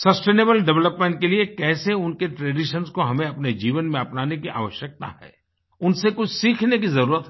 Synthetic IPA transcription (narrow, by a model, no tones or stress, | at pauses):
sɐsʈeːneːbəlɖɛʋləpmẽːɳʈ̚keliekɛːseʊnkeʈɾeːɖiʃənskoɦɐmẽɐpned͡ʒiːʋənmẽɐpnaːnekiʔa̰ːʋəʃjək̚t̪a̰ɦɛ̰ː | ʊnsekʊt͡ʃʰsiːkʰnekizɐɾuːɾət̪ɦ